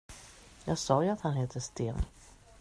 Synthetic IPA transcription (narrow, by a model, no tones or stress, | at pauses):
jɑːɡsɑːjɵat̪hanɦeːt̪ʰəst̪eːn